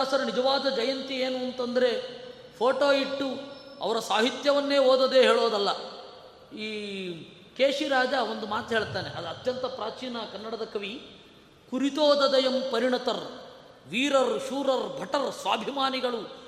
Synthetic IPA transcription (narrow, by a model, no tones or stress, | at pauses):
aːsɐɾɐnid͡ʒɐʋaːd̪ɐd͡ʒɐjɐnt̪ieːnuɐnt̪ɐnd̪ɐɾe̞ | pʰoːʈoːiʈːuɐ̰ʋɐɾɐsaːɦit̪jɐʋɐnːeːɦoːd̪ɐd̪eːɦeːɭoːd̪ɐlːɐ | iː | keːʂiɾaːd͡ʒao̞nd̪umaːt̪ɦeːɭt̪aːneʔɐd̪ɐt̪jɐnt̪ɐpɾaːt͡ʃiːnɐkɐnːɐɽɐd̪ɐkɐʋi | kuɾit̪oːd̪ɐd̪ɐjɐmpɐɾiɳɐt̪ɐɾ | ʋiːɾɐɾʃuːɾɐɾbʱɐʈɐɾsʋaːbʱimaːniɡɐɭu